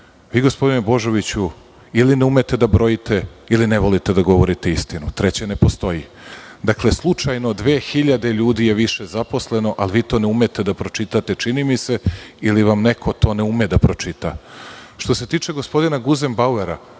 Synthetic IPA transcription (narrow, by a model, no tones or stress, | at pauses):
ʋiːɡo̞spo̞d̪inebo̞ʒo̞ʋit͡ɕu | ilineume̞t̪e̞d̪abɾo̞jit̪e̞ilineʋo̞lit̪e̞d̪aɡo̞ʋo̞ɾit̪eist̪inut̪ɾe̞t͡ɕene̞po̞st̪o̞ji | d̪akle̞slˠut͡ʃajno̞d̪ʋeːxiʎad̪e̞ʎuːd̪ije̞ʋiʃe̞zapo̞sle̞no̞ʔalʋiːt̪oneume̞t̪e̞d̪apɾo̞t͡ʃit̪at̪e̞t͡ʃinimise̞iliʋamne̞kʰo̞t̪o̞ːne̞umed̪apɾo̞t͡ʃit̪aʃt̪o̞se̞t̪iːt͡ʃe̞ɡo̞spo̞d̪inaɡuzembaueɾa̰